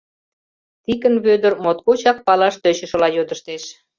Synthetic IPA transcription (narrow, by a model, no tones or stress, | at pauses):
t̪ikənβød̪ərmot̪kot͡ɕɑk̚pɑlɑʃt̪ø̆t͡ɕə̆ʃə̆lɑjod̪əʃt̪eʃ